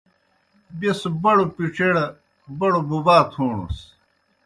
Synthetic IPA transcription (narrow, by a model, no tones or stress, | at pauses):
besbɐɽupiʈ͡ʂeɽɐ | bɐɽobubaːt̪ʰoːɳṵs